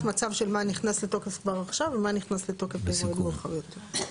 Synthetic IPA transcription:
mat͡savʃelmaniχnasleto̞kefkvaʁaχʃavːemaniχnasletokefezoemulχavjotʰe

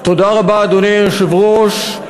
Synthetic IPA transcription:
t̪od̪aʁabaːd̪oneʃevʁoʃ

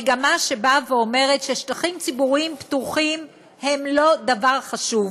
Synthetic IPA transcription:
ɡamaʃe̞baveo̞me̞ʁetʃe̞ʃtaχimt͡sibuʁimptuχim | he̞mlo̞d̪avaʁχaʃuv

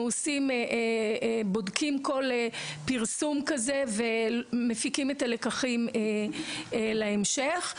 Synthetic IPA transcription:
uosimʔebo̞dkimko̞lepiʁsumkaze̞vemefikimetalekaχime | laemʃeχ

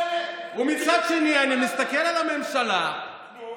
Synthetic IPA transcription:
umit͡ʃat͡ʃinianimist̪akɛlalamɛm̩ʃala

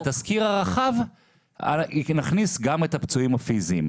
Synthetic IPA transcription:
t̪askiʁaʁaχav | a̰lnaχnisɡamet̪apt͡suimafiziːm

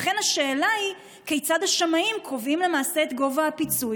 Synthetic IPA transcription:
χe̞nhaʃe̞ːlai | kejt͡sad̪haʃamaimkʁo̞vimle̞maːse̞ːt̪ɡo̞vaapit͡su

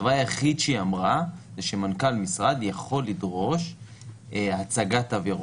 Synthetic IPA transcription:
vajaχid̪ʃeamʁazeʃemankalmisʁad̪jaχo̞lːidʁo̞ʃ | at͡saɡataveʁ

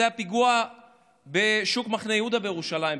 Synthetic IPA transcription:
eapiɡua | beʃukmaχnejud̪abejeʁuʃalaim

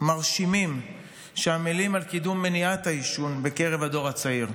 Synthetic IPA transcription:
maʁʃimim | ʃeamilimalkidumːeniat̪aiʃunbe̞ke̞ʁe̞vado̞ʁat͡saiʁ

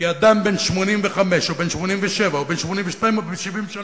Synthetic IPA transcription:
iad̪ambenʃmonimveχameʃobeːnʃmonimveʃevaobenʃmonimveʃtajimobeʃivimʃan

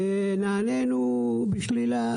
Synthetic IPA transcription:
e | naːnenu | biʃlila

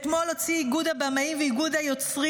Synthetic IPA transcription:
t̪mo̞lo̞t͡siiɡud̪abamaimveiɡud̪ajo̞t͡sʁi

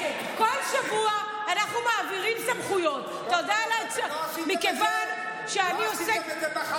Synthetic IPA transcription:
kolʃavuaː | naχnumaːviʁimsamχujo̞t | tod̪alat͡s | mikevan | ʃeaniose

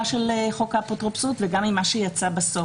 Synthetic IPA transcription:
ʃelχokapotʁopsutveɡamimaʃejat͡sabaso

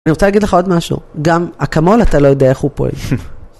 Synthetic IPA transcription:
niʁt͡salaɡidleχao̞d̪maʃṵɡamakamo̞lat̪alo̞jo̞d̪eaeχhupoḛl

